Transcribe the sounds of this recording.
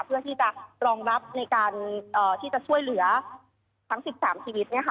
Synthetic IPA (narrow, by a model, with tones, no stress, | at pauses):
pʰɯ˥˩ɐt̪ʰiː˥˩t͡ɕa˨˩ɾɔː˧ŋɾa˦˥p̚na˧jkaː˧nʔəː˨˩t̪ʰiː˥˩t͡ɕa˨˩t͡ɕʰu˥˩əjlɯ˩˦ɐ | t̪ʰa˦˥ŋsi˨˩p̚saː˩˦mt͡ɕʰiː˧wi˦˥t̪̚ni˥˩ɐkʰa˦˥